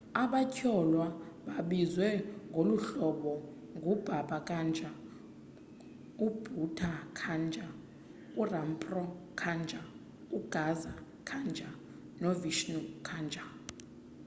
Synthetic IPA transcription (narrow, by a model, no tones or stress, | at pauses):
aɓacʰɔlwaɓaɓizwɛŋɡʱoluɬɔɓɔ | ŋɡʱub̥ʱaɓakʼand͡ʒʱa | ub̥ʱutʰakʰand͡ʒʱa | urampʼrɔkʰand͡ʒʱʼa | uɡ̥ʱaza | kʰand͡ʒʱa | noviʃnukʰand͡ʒʱa